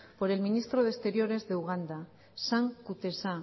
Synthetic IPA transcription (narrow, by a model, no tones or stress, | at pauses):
po̞ɾe̞lminist̪ɾo̞ðest̪e̞ɾjo̞ɾe̞zðeuɣ̞and̪a | saŋkut̪e̞sa